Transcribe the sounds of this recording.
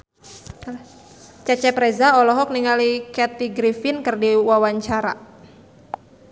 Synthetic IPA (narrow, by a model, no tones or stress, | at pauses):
t͡ʃat͡ʃɛpɾɛzaɔlɔɦɔk̚niŋalikɛt̪iɡɾifinkɨrdiwawaɲt͡ʃaɾa